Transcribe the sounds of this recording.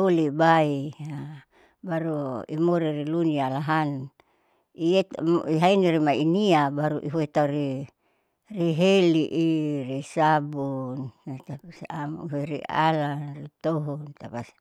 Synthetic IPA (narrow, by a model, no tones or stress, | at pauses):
olibaia | baɾuimoɾirilunialaɦan | iet̪miɦainiɾimainiabaɾuʔiɦuet̪aɾi | riɦeliʔirisabunt̪asaɦeɾḭa̰lanrit̪oɦɔnt̪apas